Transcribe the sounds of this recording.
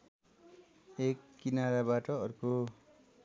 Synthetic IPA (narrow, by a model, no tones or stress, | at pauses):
ekːinaɾabaʈʌʌrko